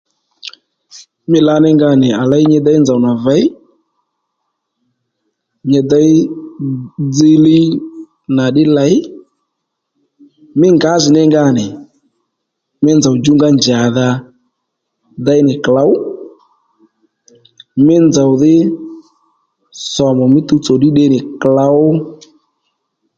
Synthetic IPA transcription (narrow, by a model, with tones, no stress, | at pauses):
mɪ˦la˦nɪ˦ŋɡa˦˨nɪ˨a˨la˦i˦ɲɛ˦da˦i˦nd͡za˨wna˨va˨˦i˦ | ɲɛ˨da˦i˦ | d͡zi˦li˦ | na˨ɗɪ˦la˨˦i˦ | mɪ˦ŋɡa˨˦zɪ˨nɪ˦ŋɡa˦˨nɪ˨ | mɪ˦nd͡za˨u˨d͡ʒu˦ŋɡa˦nd͡ʒa˨ða˧ | da˨˦jnɪ˨kla˨˦ʊ˦ | mɪ˦nd͡za˨wðɪ˦ | sɔ˨mɔ˨mɪ˦tu˦t͡sɔ˨ɗɪ˦ɗe˦nɪ˨kla˨˦ʊ˦